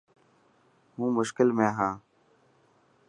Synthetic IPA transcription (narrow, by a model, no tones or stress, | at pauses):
mũːmʊʃkɪlmẽːɦãː